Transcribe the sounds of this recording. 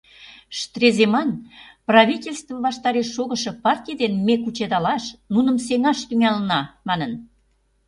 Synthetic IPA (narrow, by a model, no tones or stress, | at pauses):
ʃt̪rezemɑnprɑβʲitʲelʲst̪vəβɑʃt̪ɑɾeʃːoɣə̆ʃɤ̆pɑrtʲijd̪enmekut͡ɕed̪ɑlɑʃnunə̆mseŋɑʃt̪yŋælənɑmɑnən